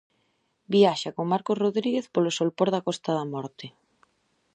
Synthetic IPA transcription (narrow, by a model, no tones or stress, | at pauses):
biaʃakoŋmaɾkosroðɾiɣeθpolosolpoɾðɐkɔst̪aðɐmɔɾt̪e